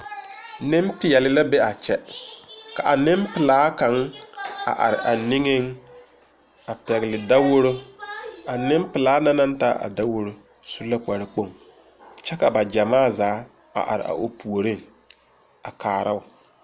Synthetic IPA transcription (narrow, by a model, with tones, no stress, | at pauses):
nɪ˦mpɪ˦jɛ˨lɪ˦la˦be˦a˨t͡ʃɛ˦ka˨ʔa˨nɪ˦mpɪ˨laː˨˦ka˨˦ŋa̰˨ʔa̰˨ɾɪ̰˨ʔa˨nɪ˦ŋe˦ŋ | a˨pɛ˨ɣɪ˨lɪ˨da˦wo˦ɾo˦ | a˨nɪ˦m˦pɪ˨laː˨˦na˦na˦nta̰ː˦ʔa̰˨da˦wo˦ɾo˦ | su˦la˦k͡pa˨ɾɪ˨k͡po˦˨ŋ | t͡ʃɛ˦ka˨ba˨d͡ʒa˨maː˦˨zaː˨˦ | a̰˨ʔa̰˨ɾɪ̰˨ʔa̰˨ʔo˨pʰu˨o˨ɾɪ˦˨ŋ | a˨kaː˨ɾa˦ʊ˨